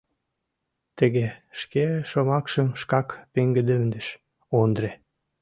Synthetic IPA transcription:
t̪əɣeʃkeʃomɑkʃəmʃkɑkpeŋɡəd̪əmd̪əʃ | ond̪ɾe

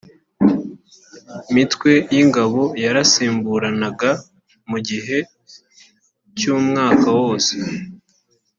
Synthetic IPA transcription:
imitwe̞jiŋɡaβo̞jaɾasiːmbuɾanaɡa | muɟiɦe̞ | cuːmŋaːkawoːse̥

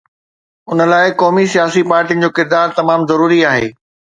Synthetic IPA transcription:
ʊnə̆laːɪkɔːmisijaːsipaːɾʈijənɪ̆d͡ʑoːkɪɾd̪aːɾt̪ɐmaːmzɐɾuːɾiaːɦḛː

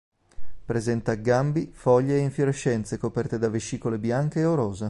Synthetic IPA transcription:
pɾezɛnt̪aɡːambifɔʎːeːiɱfjoɾeʃːɛnt̪sekopɛrt̪ed̪aveʃːiːkolebjaŋk̟eːoɾoːze

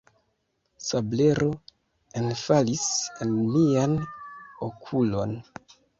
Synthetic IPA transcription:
sable̞ɾo̞ | enfalisenmianokʰulo̞n

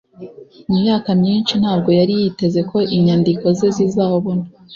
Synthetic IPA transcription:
umujaːkamɲiːnʃinhaːb̚ɡo̞jaɾijite̞ze̞kʰo̞ʔiɲandiko̞zezizaːwoβono

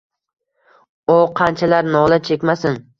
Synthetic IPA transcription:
oqʰɑnt͡ʃʰalaɾnɒlˠat͡ʃʰekʲmasɪn

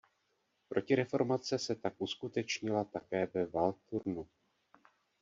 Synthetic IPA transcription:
pɾʔo̞cɪɾɛfo̞ɾmat͡sɛsɛt̪akʔuskut̪ɛt͡ʃɲɪlat̪akɛːvɛvalt̪uɾnu

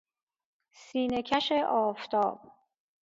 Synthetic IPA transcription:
siːnecʰæʃeʔɒːft̪ʰɒ̰ːb̥̚

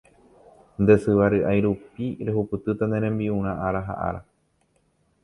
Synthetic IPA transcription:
nd̪e̞sɨʋaɾɨʔajɾupiɾe̞ɦupɨt̪ɨt̪and̪e̞ɾ̃ẽ̞mbiũɾ̃ãʔaɾaɦa̰ʔa̰ɾa

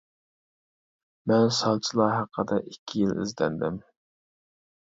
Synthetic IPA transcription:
mɛnsɑlˠt͡ʃʰilˠɑɦæqʰːəd̪ɑʔikʲʰːijilɪ̰zlɛ̰nd̪ɪ̰m

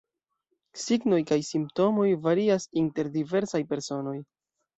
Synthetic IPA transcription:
siɡno̞jkajsimp̚to̞mo̞jvaɾiasinte̞ɾdive̞ɾsajpe̞ɾso̞no̞j

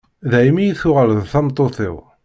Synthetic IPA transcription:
ðæjmijiθʊʁəlðθæmt̪ˤːoθɪ̰w

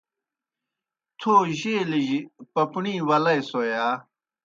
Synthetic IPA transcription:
t̪ʰoːʑeːliʑipɐpɳiːwɐlɐjsojaː

